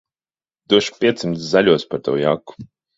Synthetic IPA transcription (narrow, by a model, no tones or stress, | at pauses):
d̪̥uɔʃpʲiɛt̪sʲimt̪szaʎʲuɔspaɾt̪a̰wja̰kːu̥